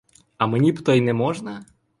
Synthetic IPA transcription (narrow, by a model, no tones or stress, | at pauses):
ɐmenʲipt̪ɔjnɛmɔʒnɐ